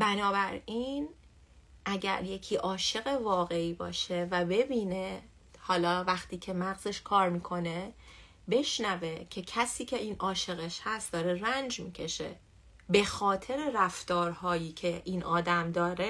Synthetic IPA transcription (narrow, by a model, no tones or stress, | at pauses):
bænɒːbæɾin | ʔæɟæ̰ɾje̞cʰiːʔɒːʃe̞ɣevɒːɣe̞iːbɒ̰ːʃe̞væbe̞biːne̞ | hɒːlɒːvæχt̪ʰiːcʰe̞mæɣze̞ʃkʰɒːɾmiːkʰo̞ne̞ | be̞ʃnæve̞cʰe̞cʰæsiːcʰe̞iːnʔɒːʃe̞ɣeʃhæst̪̚d̪ɒːɾe̞rænd͡ʒmiːcʰe̞ʃe̞̰ | be̞xɒːt̪ʰe̞ɾe̞ɾæft̪ɒːɾhɒːjiːcʰe̞ʔiːnʔɒːd̪æmd̪ɒːɾe